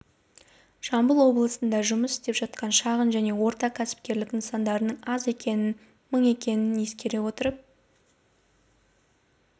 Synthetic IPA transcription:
ʃɑmbəlˠwo̞blˠəsənd̪ɑʒʊməsɪ̥st̪e̞pʒ̥ɑt̪̚qɑnʃɑʁənʒæne̞wo̞ɾt̪ɑkʲʰæsɪ̥p̚kʲe̞ɾlɪkɪnsɑnd̪ɑɾənəɴɑze | məɴe̞kʲe̞nɪnje̞skʲe̞ɾe̞wo̞t̪əɾəp̚

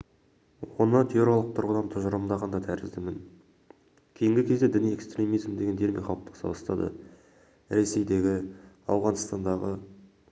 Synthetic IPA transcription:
wo̞nət̪ʰeoɾɑlˠəq̚t̪ʰʊɾʁəd̪ɑnt̪ʰʊʒəɾəmd̪ɑʁɑnd̪ɑt̪ʰæɾɪzd̪ɪmɪŋ | kʲʰe̞jɪŋɡʲɪkʲʰe̞zd̪e̞d̪ɪnije̞kst̪ɾʲe̞mizmd̪e̞ɡʲene̞ɾmeqʰɑlˠəp̚t̪ʰɑ̥sɑ̰b̪ɑst̪ɑ̰d̪ə̰ | ɾe̞se̞jd̪e̞ɡʲɪ | ɑ̰wʁɑnst̪ɑnd̪ɑʁə

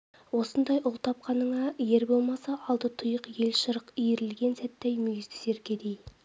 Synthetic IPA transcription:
wo̞sənd̪ɑjʔʊlˠt̪ʰɑpqɑnəɴɑje̞ɾbo̞lˠmɑsɑʔɑlˠd̪ət̪ʰʊjəqje̞lʃəɾəqijɾɪlɡʲe̞nsæt̪ːæjmʏjɪst̪ɪ̥se̞ɾɡʲed̪ej

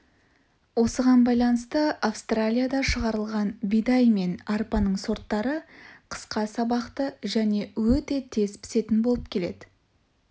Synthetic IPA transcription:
wo̞səʁɑnbɑjlˠɑnəst̪əafst̪ralʲijad̪ɑʃəʁɑɾəlˠʁɑnbijd̪ɑjme̞nɑɾpɑnəɴso̞ɾt̪ːɑɾəqʰə̥sqɑsɑbɑqt̪əʒæne̞wɵt̪e̞t̪ʰe̞zpʰɪ̥se̞t̪ɪnbo̞lˠəp̚kʲʰele̞d̪ɪ

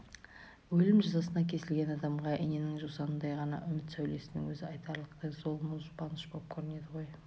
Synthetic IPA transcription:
wɵlɪmʒɑzɑsənɑkʲʰe̞sɪlɡʲe̞nɑd̪ɑmʁɑʔene̞nɪŋʒusɑnənd̪ɑjʁɑnɑ̰ʔʏmɪt̪sæwle̞sɪnɪ̰ŋwɵzɪɑjt̪ɑɾlˠəqt̪əzo̞lˠmʊzpɑnəʃbolˠəp̚kʲʰɵɾɪne̞d̪ɪʁo̞j

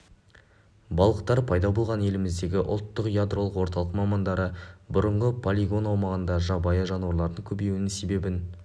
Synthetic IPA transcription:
bɑlˠəq̚t̪ɑɾpʰɑjd̪ɑbo̞lˠʁɑne̞lɪmɪzd̪e̞ɡʲɪʔʊ̰lˠt̪ːəqjad̪ɾo̞lˠəqwo̞ɾt̪ɑlˠəqmɑmɑnd̪ɑɾəbʊɾəɴʁəpʰolʲiɡo̞nɑwmɑʁənd̪ɑʒɑbɑjəʒɑnwɑɾlˠɑɾd̪əŋkʲʰɵbe̞jɪnɪŋse̞be̞bɪn

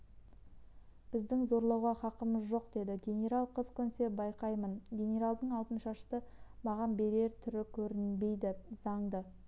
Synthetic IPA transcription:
b̥ɪzd̪ɪŋzo̞ɾlˠɑwʁɑχɑqəməzʒo̞qd̪e̞d̪ɪɡʲe̞nʲe̞ɾalˠqʰəzkʲʰɵnse̞bɑjqɑjmənɡʲe̞nʲe̞ɾalˠd̪əɴɑlˠt̪ənʃɑʃt̪əmɑʁɑnbe̞ɾe̞ɾt̪ʰʏɾɪkʲʰɵɾɪnbe̞jd̪ɪzɑɴd̪ə

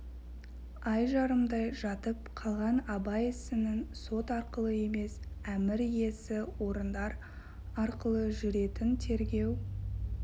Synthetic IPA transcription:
ɑjʒɑɾəmd̪ɑjʒɑt̪əp̚qʰɑlˠʁɑnɑbɑjɪsɪnɪŋso̞t̪ɑɾqəlˠəe̞me̞sæmɪɾje̞sɪwo̞ɾənd̪ɑɾ | ɑɾqəlˠəʒʏɾe̞t̪ɪnt̪ʰe̞ɾɡʲe̞w

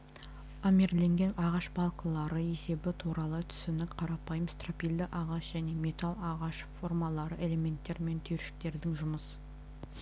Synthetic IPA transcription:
amʲeɾle̞ŋɡʲe̞nɑʁɑʃbɑlˠkəlˠɑɾəe̞se̞bɪt̪ʰuɾɑlˠət̪ʰʏ̥sɪnɪkqʰɑɾɑpɑjəmst̪ropʲijld̪ɪʔɑʁɑʃʒ̥æne̞me̞t̪alˠɑʁɑʃfo̞rmɑlˠɑɾəʔe̞le̞me̞nt̪ːe̞ɾme̞nt̪ʰʏɾʃɪ̥k̚t̪e̞ɾd̪ɪŋʒʊməsə

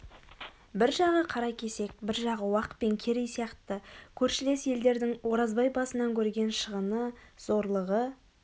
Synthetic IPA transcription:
bɪɾʒɑʁəqʰɑɾɑjkʲʰe̞se̞k̚bɪɾʒɑʁəwɑq̪̚pe̞ŋkʲʰe̞ɾejsijɑqt̪əkʲʰɵɾʃɪle̞sje̞ld̪e̞ɾd̪ɪŋwo̞ɾɑzbɑjbɑsənɑŋkʲʰɵɾɡʲe̞nʃəʁənəz̥o̞ɾlˠəʁə

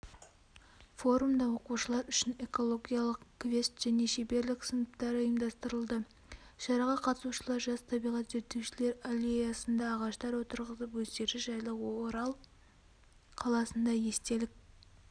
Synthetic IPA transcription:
fo̞ɾumd̪ɑwo̞quʃəlˠɑɾʏʃɪne̞ko̞lˠo̞ɡʲijalˠəqkvʲe̞st̪ʒ̥æne̞ʃebe̞ɾlɪksənəpt̪ɑɾəjəmd̪ɑst̪əɾəlˠd̪ə | ʃɑɾɑʁɑqʰɑt̪əsuʃəlˠɑɾʒɑst̪ʰɑbijʁɑt̪ʒet̪ːewʃɪle̞ɾalʲe̞jasənd̪ɑːʁɑʃt̪ɑɾwo̞t̪əɾʁəsəpwɵzd̪e̞ɾd̪ɪʒɑjlˠəqwoɾɑlˠ | qʰɑlˠɑsənd̪ɑje̞st̪e̞lɪk̚

